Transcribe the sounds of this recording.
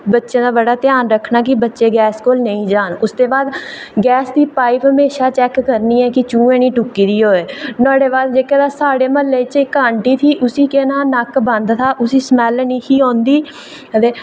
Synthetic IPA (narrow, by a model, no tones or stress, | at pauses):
bətːʃẽːd̪aːbəɽaːt̪ɪjaːnɾəkʰːnaːk̬ɪbətːʃeːɡɛːskoːlnəĩːd͡ʒaːnʊsd̪eːbaːd̪ɡɛːsd̪iːpaːiːpɦəmeːʃaːt͡ʃɛːkːəɾniːɛːkɪt͡ʃũːẽːniːʈʊkːiːd̪iːɦoːeːnaːɽeːbaːd̪d͡ʒeːkəd̪aːsaːɽeːməlːeːt͡ʃekːaːɳʈiːt̪ʰiːʔʊsiːkeːnãːnəkbə̃nd̪t̪ʰaːʔʊsiːsəmɛːlniːkiːɦõːnd̪iː | ət̪eː